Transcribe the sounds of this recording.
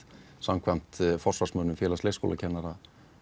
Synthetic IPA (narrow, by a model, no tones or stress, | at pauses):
samkʰvajm̥t̪fɔrsvarsmœnʏmfjɛːlasejsko̰wla̰cʰɛnːaɾa